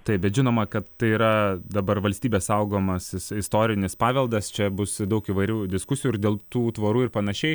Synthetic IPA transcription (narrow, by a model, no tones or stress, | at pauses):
t̪ɐɪp̚bʲɛt̪ʒʲɪnoːmɐkɐt̪t̪ɐɪiːɾɐd̪ɐbɐrʋɐlʲsʲt̪ʲiːbʲeːsɐʊɡoːmɐsɪsɪst̪oːɾʲɪnʲɪspɑːʋʲɛlˠd̪ɐst͡ʃʲɛbʊsd̪ɐʊkiʋɐɪɾʲuːd̪ʲɪskʊsʲɪjuɪrdʲeːlˠt̪uːt̪ʋɐɾuːɪɾpɐnɐʃʲɛɪ